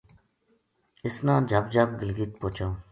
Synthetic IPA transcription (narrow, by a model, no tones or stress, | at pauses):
ɪsnãːd͡ʒʱabd͡ʒab̚ɡɪlɡit̪̚poːt͡ʃaw̃